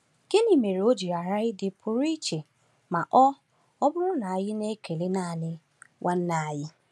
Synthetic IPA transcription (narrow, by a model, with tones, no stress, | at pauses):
ke˦ni˨me˨ɾe˨o˦d͡ʒi˨ɾa˨ɾa˦ɣɪ˦dɪ˨pʰʊ˨ɾi˦t͡ʃe˨ | ma˨ʔɔ˦ | ɔ˦bʊ˦ɾʊ˦na˨a˨jɪ˦ne˦kʰe˨le˦naː˦˨nɪ˦ | wʔa˦n̩˦na˨a˨jɪ˦